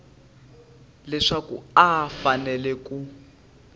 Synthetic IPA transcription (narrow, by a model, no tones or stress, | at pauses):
lɛʂakṵafanɛlɛku